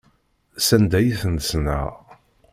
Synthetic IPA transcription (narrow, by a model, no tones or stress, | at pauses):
sænd̪æjiθənsnæ̰